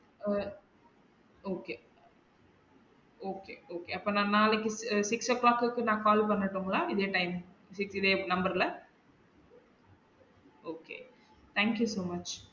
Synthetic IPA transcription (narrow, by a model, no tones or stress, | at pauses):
oːkeː | oːkḛːoːkeːɐpːoːnãːnaːlɪkːɯsɪksoklaːkːɯkːɯnãːkaːlpɐnːɐʈːoŋɡɐlaːɪðeːʈɐɪm | sɪksɪðeːnɐmbɐɾɪlɐ | oːkḛː | t̪ʰæːŋkjuːsoːmɐt͡ʃ